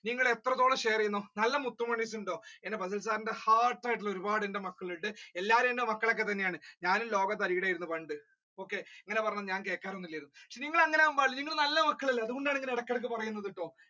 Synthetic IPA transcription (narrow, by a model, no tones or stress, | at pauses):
niŋːɐɭe̞t̪rɐt̪ːo̞ːɭɐɕeːrijunːoːnɐlːɐmut̪ːumɐɳis̬uɳɖo̞ːenːebɐsɐls̬aːɾɐndehaːrʈːɐːjʈːilo̞ɾubaːɽendemɐkːɐɭiliʈːɨe̞lːaːɾɐmendemɐkːɐɭok̬ːe̞t̪̬ɐnːejaːɳɨɲaːnumlo̞ːɡɐt̪̬ːɐɾijiɽaːjiɾunːupɐɳɖɨ | o̞ːkːe̞eŋːɐne̞pɐrɐɲːɐðɨɲaːnke̞ːkːaːɾonːilːɐjiɾunːukʂeniŋːɐɭɐŋːɐneaːmbaːɖɨniŋːɐɭnɐlːɐmɐkːɐɭilːɐɐðukɣo̞ɳɖaːɳeŋɡileɽɐkːɐɽk̬ːɨpɐrɐjunːɐðiʈːo̞ː